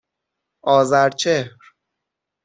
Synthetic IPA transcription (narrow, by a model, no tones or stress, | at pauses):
ʔɒːzæɾt͡ʃʰehɾ